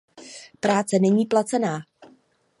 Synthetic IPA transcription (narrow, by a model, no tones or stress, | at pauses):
pɾaːt͡sɛnɛɲiːplat͡sɛnaː